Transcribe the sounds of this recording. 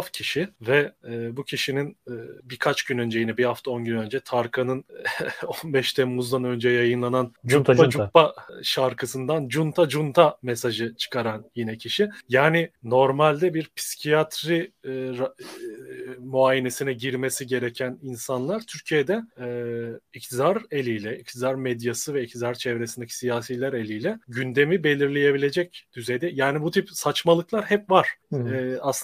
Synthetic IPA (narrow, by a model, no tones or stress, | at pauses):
fcʰiʃivɛbucʰiʃininːbiɾkʰat͡ʃɟynø̞nd͡ʒe̞jinɛbihaft̪ʰao̞nɟynø̞nd͡ʒɛt̪ʰaɾkʰanɯnonbɛʃt̪ʰɛmmuzd̪anø̞nd͡ʒɛjajɯnlˠanand͡ʒud͡ʒuppaʃaɾkʰɯsɯnd̪and͡ʒunt̪ʰad͡ʒunt̪ʰamesaʒɯt͡ʃʰɯ̥kaɾanjinɛcʰiʃijaːnɪno̞ɾmalʲd̪ɛbiɾpʰi̥si̥cʰijat̪ʰɾiɾ | muaːjene̞sinɛɟiɾme̞siɟe̞ɾecʰæninsanlˠaɾt̪ʰyɾcʰijed̪ɛɛːict̪ʰid̪aɾelʲijlʲɛict̪ʰid̪aɾmɛd̪jasɯvɛic̚t̪ʰid̪aɾt͡ʃʰɛvɾe̞sind̪cʰi̥sijaːsijlʲæɾe̞lʲijlʲɛɟynd̪e̞mibe̞lʲiɾlʲeje̞bilʲe̞d͡ʒɛc̚d̪̥yze̞jd̪ɛjaːnibut̪ʰipsat͡ʃmalˠɯklˠaɾɦɛpvaɾ̥ɛas